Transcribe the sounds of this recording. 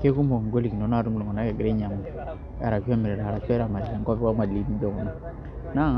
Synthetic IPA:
ke˦ku˦mo˨ŋ˨ɡo˦li˨ki˨no˨˦na˦˨ɾu˦m˦lɔ˨ŋɔ˨na˦kɛ˨ɡɪ˨ɾe˦ɲa˨ma˨ | a˨ɾa˨ki˦a˦mɪ˨ɾɛ˨ɾa˨ɾa˨t͡ʃɛ˦ɾa˨ma˨ɾi˨ɾa˨ŋkɔ˦pwa˦ma˨li˨˦ni˦d͡ʒo˨ŋɔ˨na˦ | na˦ŋ

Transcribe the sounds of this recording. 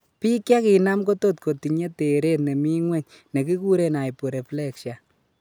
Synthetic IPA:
pi˦kja˦ki˨na˦mko˦to˦t̚ko˨ti˨ɲe˦te˨ɾe˦t̚ne˨mi˦ŋwɛ˦ɲ | ne˨ki˦ku˦ɾe˦na˨jpu˨ɾe˨flɛ˦kʃa˨

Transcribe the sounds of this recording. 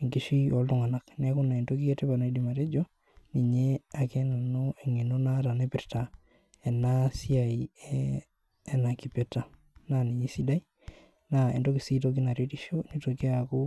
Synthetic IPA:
e˨ŋɡiʃio˨ltu˦ŋa˨na˨knekuna˨e˨ndoɡi˦eteba˨na˨i˦di˨ma˨ɾe˦d͡ʒo˦ | ni˨ɲea˨kena˨noe˨ŋe˨no˦na˦ta˨ne˦piɾta˨ | e˨nasi˦aiɛː˦ | na˨ki˨pe˨ta˨ | nani˨ɲe˦si˦dai˦ | naḛ˨ndoɡisitoki˦na˨ɾetiʃoni˦toke˦ako˦

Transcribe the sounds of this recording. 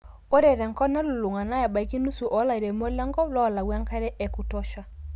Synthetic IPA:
o˦ɾɛ˨ɾɛ˨ŋkɔ˦na˦lu˨lu˨ŋa˨na˦ja˨ba˨i˨ki˦nu˦su˨ʔɔ˨˦la˨i˨ɾe˨mo˦lɛ˦ŋɡɔ˦lɔ˦˨la˨wa˦ŋka˦ɾɛ˦ʔe˨ku˨tɔ˦ʃa˦

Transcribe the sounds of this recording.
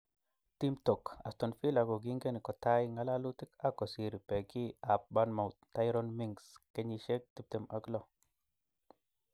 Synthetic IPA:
t̪i˦mto˨ka̰˨st̪o˨nfi˦la˨ɡo˨ɡi˦ŋɡe˦ni˨ko˨t̪a˦jŋa˧la˦lu˦t̪i˦ka˦ko˨si˨ɾi˨pe˨ki˦a˨p̚ba˧˦nma˨wt̪a˦jɾo˦nmi˦ŋɡske˦ɲi˧ʃe˦k̚t̪i˧˦p̚t̪e˧mʔa˨klo˦˨

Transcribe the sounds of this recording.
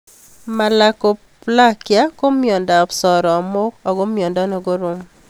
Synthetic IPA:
ma˨la˨ko˨ | pla˦kja˦ko˦mjɔ˨nda˨psɔ˨ɾɔ˨mo˦kɔ˨ɡo˦mjɔ˨ndɔ˦nɔ˨ɡo˦ɾo˦m

